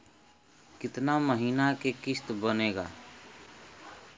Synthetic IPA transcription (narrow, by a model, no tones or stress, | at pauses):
kɪt̪naməɦiːnakekɪst̪bəneːɡa̰ː